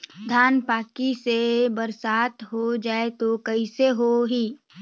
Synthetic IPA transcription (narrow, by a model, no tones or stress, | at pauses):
d̪ʱjaːnpaːkisebɐɾsaːt̪ɦod͡ʒaːet̪okɐiseɦoɦiː